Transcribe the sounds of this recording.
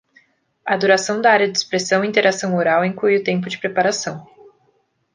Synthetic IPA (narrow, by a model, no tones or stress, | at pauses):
ɐd̪uɾasɐ̃w̃d̪ɐaɾjɐd͡ʒɪspɾesɐ̃w̃ĩt̪eɾasɐ̃w̃oɾawĩŋklujʊt̪ẽmpʊd͡ʒɪpɾepaɾasɐ̃w̃